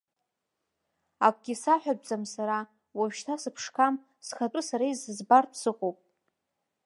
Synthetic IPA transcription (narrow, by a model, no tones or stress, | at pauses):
akʷʼɡʲisaħʷᶣab̚d͡zamsaɾa | waɥʃtʰasɨpʰʂkʰam | sχat͡pʼɨsaɾaizɨzbartʰsɨχʷʼowpʼ